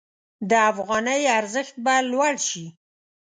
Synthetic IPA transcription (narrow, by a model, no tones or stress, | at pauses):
d̪əafɣɑnəjaɾzəxt̪̚balwaɽʃi